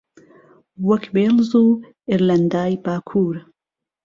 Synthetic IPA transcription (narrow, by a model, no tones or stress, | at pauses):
wɐkbeːlzuː | ɪɾlɐnd̪aːjbaːkʰuːɾ